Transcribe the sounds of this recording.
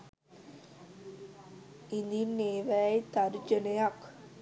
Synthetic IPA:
ind̪inːeːʋæjt̪aɾd͡ʒənɐjak

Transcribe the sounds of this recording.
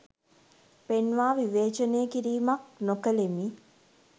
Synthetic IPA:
penʋaːʋiʋeːt͡ʃəneːəkiɾiːmɐk̚nokəlemi

